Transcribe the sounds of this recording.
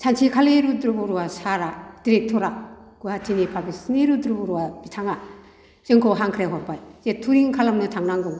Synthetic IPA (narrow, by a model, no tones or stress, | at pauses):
sʰant͡ʃʰikʰaleɾudɾubɔɾuwasaɾadiɾek̚tʰɔɾaɡ̥uhatʰinipʰabisniɾudɾubɔɾuwabitʰaŋa | sɯŋkʰɔɦaŋkʰɾjaɦɔɾbajzetʰuɾiŋkʰalamnɯtʰaŋnaŋɡɔŋ